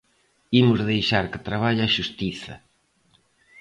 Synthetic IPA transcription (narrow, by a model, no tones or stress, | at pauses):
imʊzðejʃaɾkɪ̥t̪ɾaβaʎaːʃust̪iθɐ̰